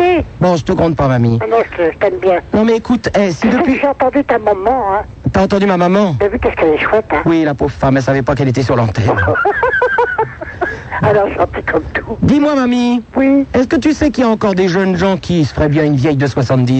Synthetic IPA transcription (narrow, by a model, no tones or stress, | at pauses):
ibɔ̃ʒət̪əɡʁɑ̃d̪̚pamamianɔ̃ʒət̪əʒət̪ɛmbjɛ̃nɔ̃mɛːkut̪ɛsid̪əʒeɑ̃t̪ɑ̃d̪yt̪ãmamɑ̃ɛ̃ | t̪yaɑ̃t̪ɑ̃d̪ymamamɑ̃avykɛskɛlɛʃwɛt̪ɛ̃wilapovfamɛlsavɛpakɛlet̪ɛsyʁlɑ̃t̪ɛn | alãsɑ̃t̪ikʰɔmt̪ʰud̪imwamamiwiɛskət̪ysɛkiljaɑ̃kɔʁd̪eʒənʒɑ̃kʲʰisə̥fəʁɛbjɛ̃ynvjɛjd̪əswasɑ̃t̪̚d̪i